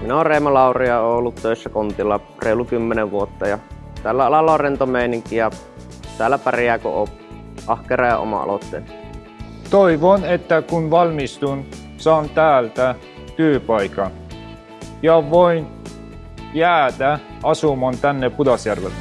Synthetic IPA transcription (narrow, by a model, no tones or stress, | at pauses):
minæoːreˑimɑlɑˑurijɑoːolːut̪t̪øˑisːækont̪ilːɑ | reˑilːukymːeneʋʋuot̪ːɑjɑ | t̪ælːæɑlɑlːɑrent̪omeˑiniŋkijɑ | t̪æːlːæpærijæko̰o | ʔɑhkerɑjɑ̰o̰mɑ̰ɑ̰lot̪ːḛːˑlː | t̪oiʋonet̪ːækunʋɑlmist̪un | sɑːnt̪æːlt̪æ | t̪yøpɑikɑn | jɑʋoin | jæːd̪æ | ɑsumɑnt̪ænːepud̪ɑsjærʋḛlː